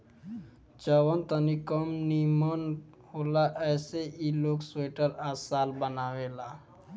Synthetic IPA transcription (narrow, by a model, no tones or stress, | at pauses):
t͡ʃəwənt̪ənikəmnimən | ɦoːlaʔɛːseiloːksweːʈəɾaːsaːlbənaʋeːla